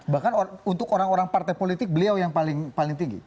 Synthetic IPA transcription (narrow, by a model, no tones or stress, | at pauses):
bahkanount̪ʊkoɾaŋoɾaŋpart̪ajpolit̪ɪk̚bəliawjaŋpalɪŋpalɪŋt̪iŋɡḭ